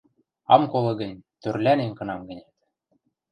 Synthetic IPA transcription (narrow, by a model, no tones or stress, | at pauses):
ɑ̰mkolɤ̆ɡə̆nʲt̪ørlʲæneŋkɤ̆nɑmɡə̆nʲæt̪